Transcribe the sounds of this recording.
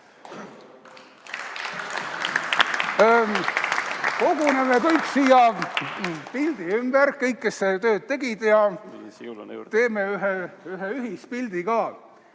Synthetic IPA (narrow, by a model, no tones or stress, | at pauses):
ko̞ɡunemekɤjksiːjɑ | pild̪̥iymb̥eɾkɤjkːe̞sset̪ø̞ːt̪̚t̪e̞ɡid̪̥jɑ | t̪e̞ːmeyɦeyɦeyɦispild̪̥ikɑː